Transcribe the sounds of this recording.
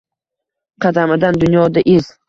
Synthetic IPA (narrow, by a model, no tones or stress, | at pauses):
qʰɑd̪amɪd̪and̪ʊnjɒd̪aʔɪz̥